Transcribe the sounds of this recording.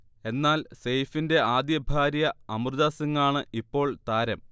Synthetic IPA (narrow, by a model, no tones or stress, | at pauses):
e̞nːaːlsejfinde̞aːd̪jɐbʱaːɾijɐɐmrɨðaːsɐŋːaːɳɨʔipːo̞ːɭt̪aːɾɐm